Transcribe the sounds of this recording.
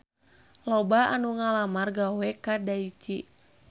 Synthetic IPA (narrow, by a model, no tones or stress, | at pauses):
lɔbaanuŋalamarɡawɛkadait͡ʃi